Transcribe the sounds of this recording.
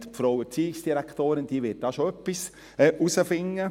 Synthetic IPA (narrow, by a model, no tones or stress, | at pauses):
tpfɾowət͡siːɪksd̥iɾæktoːɾɪnd̥iːəʋɪt̚d̥ɑːʃoœpːis | ɛːʔusəfɪŋːə